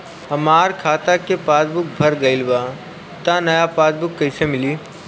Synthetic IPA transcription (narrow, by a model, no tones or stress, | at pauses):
ɐmaːɾkʰaːt̪akepaːd̪bʊk̚bʱɐɾɡɐɪlbaː | t̪anɐjapaːd̪̚bʊkːɐisemɪliː